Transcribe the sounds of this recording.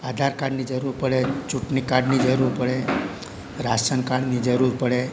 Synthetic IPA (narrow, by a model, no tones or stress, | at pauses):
ad̪ʱaɾkaɽnid͡ʒəɾuɾpəɽet͡ʃuʈnikaɽnid͡ʒəɾuɾpəɽe | ɾasənkaɽnid͡ʒəɾuɾpəɽe